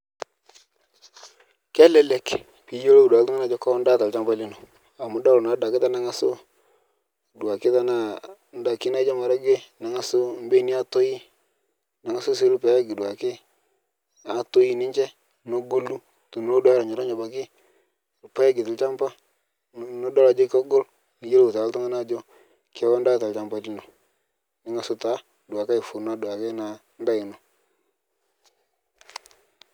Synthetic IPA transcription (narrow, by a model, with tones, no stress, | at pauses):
kɛ˦lɛ˨lɛ˨k | pi˨˦jo˦lo˦u˨da˨ltu˦ŋa˦na˨d͡ʒɔ˦ko˦n˦da˦ta˨lt͡ʃa˦mba˦li˦no˨ | a˨mu˦da˦˨na˨˦da˨kɪ˦ta˦na˦ŋa˦sʊ˦˨ | du˨a˨kɪ˦ta˦na˦ | n˦da˨ki˦na˦d͡ʒa˦ma˨ɾa˦ɡe˦na˨ŋa˨sʊ˦m˦be˦ni˦a˦to˦ji˦ | na˨ŋa˦sʊ˦si˦pe˨ja˦ɡi˨dwa˨kɪ˦ | na˨˦to˦ji˦nɪ˦ɲt͡ʃɛ˦ | no˦ɡo˦lu˦ | to˨n˨˦o˦da˦ɾa˨ɲɔ˨ɾa˦ɲa˨ba˨kɪ˦˨ | lpɛ˦ɡɪ˨tɪ˨lt͡ʃa˦mpa˦˨ | no˦dɔ˦la˨d͡ʒo˦kɔ˦ɡʊ˦l | ni˨je˦lo˨ta˨˦tʊ˦ŋa˦na˦d͡ʒo˦ | kɛ˨˦wɔ˦n˦da˦ta˨lt͡ʃa˦mpa˦ti˦no˨ | nɪ˨˦ŋa˨sʊ˦ta˦˨du˨a˨ka˦ɪ˨fu˨ɾna˦du˨a˨ke˦na˨˦nda˦ɪ˨no˨